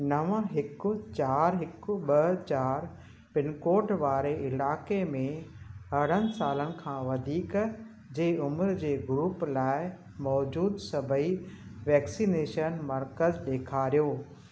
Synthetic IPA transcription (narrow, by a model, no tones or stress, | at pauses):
nɐʋə̃ɦɪkʊ̆t͡ɕaːɾɦɪkʊ̆ɓɐt͡ɕaːɾ | pɪnkoːʈʋaːɾeɪlaːkemẽɦɐɽ̤ənɪ̆saːlənɪ̆kʰãːʋɐd̪ʱiːk | d͡ʑeːʊmɾd͡ʑeːɡɾuːplaːɪ | mɔːd͡ʑuːd̪sɐbʱəiʋɛːksiːneːʃənmɐɾkəzɗeːkʰaːɾijoː